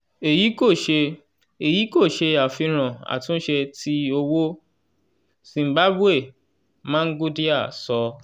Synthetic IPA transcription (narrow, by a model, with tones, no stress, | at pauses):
e˨ji˨˦ko˦˨ʃe˧ | e˨ji˨˦ko˦˨ʃe˧a˨fi˧ɾ̃ã˨a̰˨tũ˨˦ʃe˧ti˧o˧wo˦ | sĩ˧m̩˦ba˦bu˦e˦˨ | mã˦ɡu˦di˦a˦˨sɔ˧